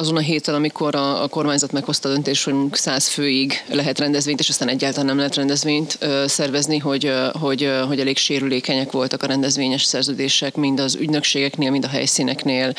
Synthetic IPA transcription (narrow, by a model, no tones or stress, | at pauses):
ɒzo̞nɒɦeːt̪ɛnɒmikʰo̞ɾɒ̰ːko̞rmaːɲzɒt̪mɛkho̞st̪ɒːd̪ø̞nt̪eːʃtho̞ɟmuksaːsføːiɡlɛɦɛt̪rɛnd̪ɛzveːɲt̪eːʃɒst̪aːnɛɟːaːlt̪ɒlanɛmlɛɦɛt̪rɛnd̪ɛzveːɲt̪ːsɛrvɛzniɦo̞ɟɦo̞ɟɦo̞ɟɛleːkʃeːɾyleːkɛɲɛkʋo̞lt̪ɒkɒɾɛnd̪ɛzʋeːɲɛʃsɛrzøːd̪eːʃɛkmind̪ɒzy̰ɟnø̞kʃeːɡɛkneːlmind̪ɒɦɛ̰jsinɛkneːl